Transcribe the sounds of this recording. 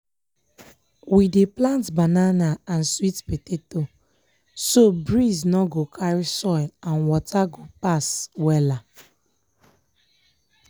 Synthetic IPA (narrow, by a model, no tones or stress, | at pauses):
wideplãntbananaãnswitpeteto | sobɹiznɔɡokʰaɹisɔɪlãnwɔtaɡopaswɛla